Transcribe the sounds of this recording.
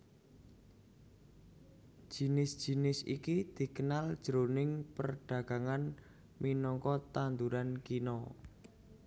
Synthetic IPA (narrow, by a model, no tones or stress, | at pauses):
ʒ̥i̤nɪsd̥ʒ̥i̤nɪsikid̪̥i̤kənald̥ʒ̥əɾonɪŋpərɖ̥ä̤ɡ̥a̤ŋan | minɔŋkɔt̪and̪uɾankinɔ